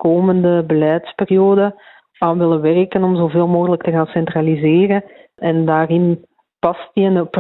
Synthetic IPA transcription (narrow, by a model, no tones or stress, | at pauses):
koːməndəbəlɛjtsperijoːdə | aːnʋɪləʋɛrkənɔmzoːveːlˠmoːɣələk̚təɣaːnsɛntralizeːrən | ɛndaːrɪn | pɑstiənəp